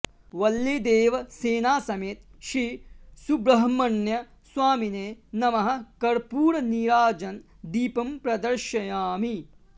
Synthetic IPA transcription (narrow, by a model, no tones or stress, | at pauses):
ʋɐlːed̪eːʋɐseːnaːsɐmeːt̪ʃɾiːsubɾɐɦɐmɐnjɐ | swaːmineːnɐmɐɦɐ̆kɐɾpuːɾɐniɾaːd͡ʒɐn | d̪iːpɐmpɾɐd̪ɐɾʃɐjaːmi